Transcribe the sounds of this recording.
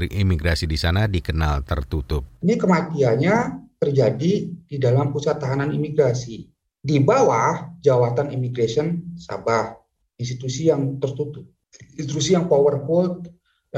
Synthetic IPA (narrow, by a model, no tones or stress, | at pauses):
iʔimiɡɾasidisanadikənalt̪ə̰rt̪ut̪ʊp̚inikəmat̪ianɲat̪ərd͡ʒadididalampusat̪ːaɦananimiɡɾasi | dibawahd͡ʒawat̪animiɡɾasiənsa̰bah | inst̪it̪usijaŋt̪ərt̪ut̪ʊp̚ | nst̪it̪usijaŋpowərfɔlt̪̚